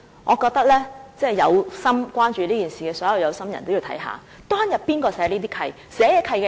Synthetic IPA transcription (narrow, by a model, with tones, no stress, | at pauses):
ŋʔɔː˨˧kɔː˧k̚t̪ɐ˥k̚lɛː˥t͡sɛː˥˩jɐ˨˧wsɐ˥mkʷaː˥nt͡ʃyː˨˧liː˥kiː˨nsiː˨kɛː˧sɔː˨˥jɐ˨wjɐ˨˧wsɐ˥mjɐ˨˩nt̪o˥wji˨˧t̪ʰɐ˨˦jɦa̰ː˨ | t̪ɔː˥ŋjɐ˨˩t̚piː˥nkɔː˧sɛː˨˥liː˥t̪iː˥kʰɐ˧j | sɛː˨˥jɛː˨˧kʰɐ˧jkɛ˧